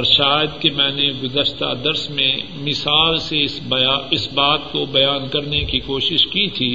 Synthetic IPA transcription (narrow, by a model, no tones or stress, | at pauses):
ɾʃaːjəd̪kemɛ̃ːneɡʊzəʃt̪a̰d̪ɐɾsmẽ | mɪsaːlse | ɪsbaːt̪kobɐjaːnkɐɾnekikoːʃɪʃkit̪ʰiː